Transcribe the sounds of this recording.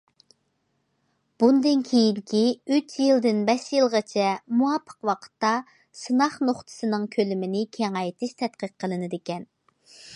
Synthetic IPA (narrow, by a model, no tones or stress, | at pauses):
b̥und̪ɨnkʲʰejid̪kʲʰiyt͡ʃjɨlˠd̪ɪnbɛʃjɨlˠʁɑt͡ʃʰɛmuɑpʰːə̥qwɑqʰə̥t̪ːɑ | sɨnɑχnoχt̪ʰɨ̥sɨnɨŋkʲʰølɪmɪnɪkʲʰeŋɑjt̪ʰɪʃt̪ʰɛt̪qəqʰːəlˠɨnɨd̪ɪkʲɛn